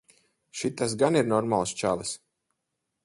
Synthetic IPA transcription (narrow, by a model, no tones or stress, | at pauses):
ʃit̪ːas̬ɡaniɾnɔɾmalˠst͡ʃalˠɨs